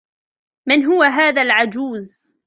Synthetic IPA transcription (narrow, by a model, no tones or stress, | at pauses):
mɪnɦʊwaɦaːðalʕad͡ʒuːz